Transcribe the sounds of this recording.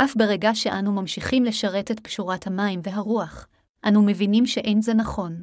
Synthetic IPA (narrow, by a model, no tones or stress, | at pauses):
ʔafbe̞ʁeɡaʃeʔanumamʃiχimle̞ʃaʁe̞te̞t̚bʃuʁathamaimve̞ɦaʁuaχ | ʔanume̞vinimʃeʔe̞nze̞naχo̞n